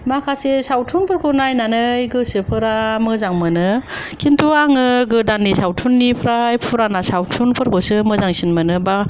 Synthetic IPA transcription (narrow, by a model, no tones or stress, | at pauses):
makʰasesawtʰunpʰɯɾkʰonajnanɯjɡɯsɯpʰɯɾamɯzaŋmɯnɯ | kʰintʰuaŋɯɡɯdanːisawtʰunːipʰɾajpʰuɾanasawtʰunpʰɯɾkʰosɯmɯzaŋsinmɯnɯba